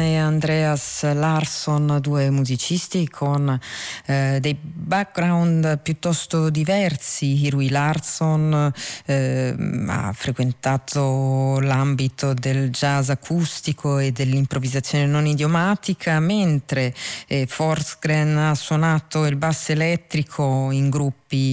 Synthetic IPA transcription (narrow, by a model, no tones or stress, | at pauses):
eand̪ɾɛaslarsond̪uːemuzit͡ʃist̪ikʰon | d̪ejbak̚ɡɾawnd̪pjut̪ːɔst̪od̪ivɛrsiirilarson | a̰fɾekwent̪aːt̪ʰolambit̪od̪eld͡ʒazakʰust̪ikʰoed̪elːimpɾovizat̪sːjoːnenonid̪jomaːt̪ikʰament̪ɾefɔrt̪sɡɾɛnasːwonaːt̪oilbasːelɛt̪ːɾikʰoiŋɡɾupːi